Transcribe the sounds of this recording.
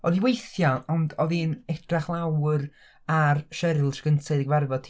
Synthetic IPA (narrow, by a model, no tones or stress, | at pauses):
ɔðiwejθjaɔndɔðinɛd̥raχlˠawr | arʃɛɾlˠʃɡ̥əntʰaðiɡvarvɔ̥tʰ